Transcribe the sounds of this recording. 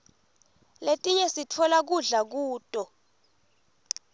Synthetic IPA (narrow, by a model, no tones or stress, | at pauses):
letʼiɲɛsitʰɔlak̬uɮak̬uːtʼɔ